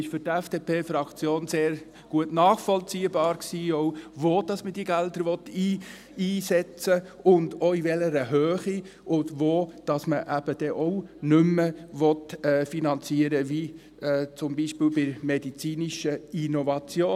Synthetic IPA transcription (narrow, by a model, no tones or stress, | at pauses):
ɪʃfʏɾtɛfd̥eːpʰeːfɾɑkt͡sjoːnseːɾ | ɡ̥uətnɑːχfɔlt͡siːəbɑːɾksiːɔʊvoːd̥ɑsməd̥iːɡældəɾʋɔt̪ːiː | iːsɛt͡səʊndoivɛləɾəɦøːχi | ʔʊndʋoːd̥ɑsməʔæb̥əd̥ɛʔɔʊnʏmːəʋɔtɛːfinɑnt͡siəɾəʋi | ɛːt͡sʊmbiʃpɪːlbɪɾmɛdit͡siːniʃəinɔvɑt͡sjoː